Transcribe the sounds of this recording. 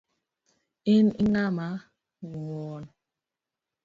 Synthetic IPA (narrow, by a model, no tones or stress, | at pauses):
iniŋama | ɡuŋɔːn